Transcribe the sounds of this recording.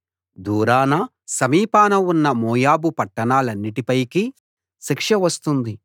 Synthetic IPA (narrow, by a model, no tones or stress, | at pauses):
d̪uːɾaːnɐ | sɐmiːpaːnɐunːɐmɔːjaːbupɐʈːɐɳaːlɐnːiʈipɐjki | ʃikʂɐʋɐst̪und̪i